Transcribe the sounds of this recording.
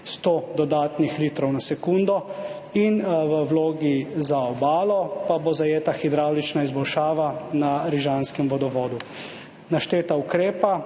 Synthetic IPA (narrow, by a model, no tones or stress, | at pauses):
st̪oːd̪ɔd̪aːt̪nixliːt̪ɾɔwnasɛkuːnd̪ɔ | inʋəwloːɡizaɔbaːlɔpabozajeːt̪axid̪ɾaːwlit͡ʃnaizbɔlʃaːʋanaɾiʒanskɛmʋɔd̪ɔʋɔːd̪u | naʃt̪eːt̪aukɾeːpa